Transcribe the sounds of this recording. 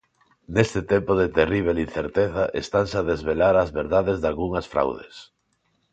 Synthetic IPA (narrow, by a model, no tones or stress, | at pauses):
nest̪ɪt̪empoðet̪eriβ̞elin̟θeɾt̪eθɐʔest̪ansaðezβelaɾazβeɾðaðezðalɣuŋɐsfɾa̰wðḛs